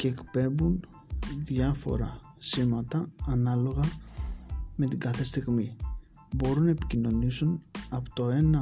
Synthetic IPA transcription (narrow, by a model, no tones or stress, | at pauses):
ceːkpe̞mbun | ðʝɐfo̞̰ɾɐ̰ | simɐt̪ɐːnɐlo̞ɣɐ | me̞t̪iɡɐθe̞st̪iɣmi | bo̞ɾunɐepicino̞nisunɐpo̥t̪o̞e̞nɐ